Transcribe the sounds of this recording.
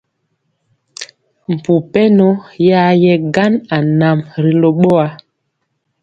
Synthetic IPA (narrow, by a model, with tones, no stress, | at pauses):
m̩˨pu˨pɛ˦nɔ˦ja˦jɛ˦ɡa˦na˨na˨mɾi˨lo˨ɓɔ˦a˦